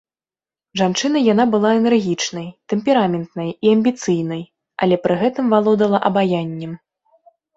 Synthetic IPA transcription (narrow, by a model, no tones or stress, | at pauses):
ʐant͡ʂɨnɐjan̪abɨlˠaɛnɛrɣʲit͡ʂnɐjt̪ɛmʲpʲɛɾamʲɛnt̪nɐjiɐmʲbʲit̪sɨjnɐj | ɐ̰lʲɛpɾɨɣɛt̪ɨmvalˠɔd̪ɐlˠɐʔɐbajanʲːɛm